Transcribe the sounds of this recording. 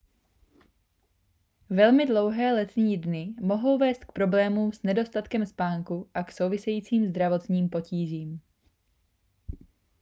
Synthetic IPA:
vɛlmɪdlo̞wɦɛːlɛt̪ɲiːdnɪmo̞ɦo̞wvɛːst̪k̚pɾo̞blɛːmuːsnɛdo̞st̪at̪kɛmspaːŋkuʔakso̞wvɪsɛjiːt͡siːmzd̪ɾavo̞t̪ɲiːmpo̞ciːʒiːm

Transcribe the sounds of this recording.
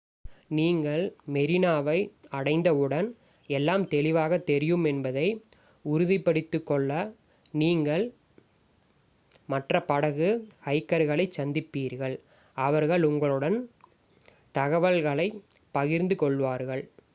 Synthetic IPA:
niːŋɡɐɭmɛɾɪnaːʋɐɪɐɽɐɪnd̪ɐɯɽɐn | ɛlːaːmt̪ɛlɪʋaːɣɐt̪ːɛɾɪjɯmɛnbɐðɐɪ | ʊɾʊðɐɪpːɐɽɪt̪ːɯkːɔɭːɐ | niːŋɡɐɭ | mɐʈrɐpɐɽɐɣɯhɐɪkːɐɾɣɐɭɐɪt͡ʃsɐnd̪ɪpːiːɾɣɐɭ | ɐʋɐɾɣɐɭʊŋɡɐɭɯɽɐn | t̪ɐɣɐʋɐɭɣɐɭɐɪpɐɣɪɾnd̪ɯkɔɭʋaːɾɣɐɭ

